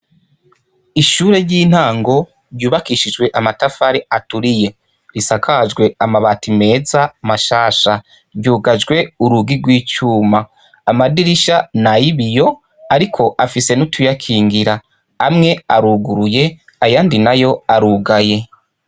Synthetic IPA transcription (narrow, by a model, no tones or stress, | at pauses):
iʃuːɾe̞ɾɟiːn̥haːŋɡo̞ | ɾɟuːβakiʃid͡ʒɡwe̞ʔamatafaɾeatuɾije̞ | ɾisakʰad͡ʒɡwe̞amaβatime̞ːzamaʃaːʃa | ɾɟuːɡad͡ʒɡwe̞uɾuɡiɾɡwiːt͡ʃuːmaː | madiɾiʃanajiβijo̞ | aɾikʰo̞ʔafise̞nutʰujakʰiːŋɡiɾa | amŋe̞aɾuːɡuɾuje̞ | ajaːndinajo̞aɾuːɡaje̞